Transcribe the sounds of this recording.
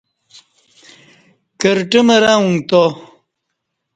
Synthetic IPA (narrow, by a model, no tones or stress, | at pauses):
kəɾʈimɐɾaːuŋt̪o